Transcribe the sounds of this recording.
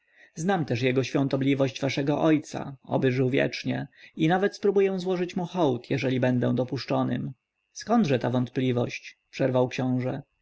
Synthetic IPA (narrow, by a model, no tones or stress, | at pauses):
znamt̪ɛʂjɛɡɔɕfʲjɔ̃nt̪ɔblʲivɔɕd͡ʑvaʂɛɡɔʔɔjt̪sa̰ɔ̰bɘʐɘwvʲjɛ̰t͡ʂɲɛinavɛt̪spɾubujɛw̃zwɔʐɘt͡ɕmuxɔwt̪ʰjɛʐɛlʲibɛnd̪ɛ̰w̃d̪ɔpuʂt͡ʂɔnɘ̰m | skɔnd̪ʐɛt̪avɔnt̪̚plʲivɔɕt͡ɕpʂɛɾvawkɕɔ̃w̃ʐɛ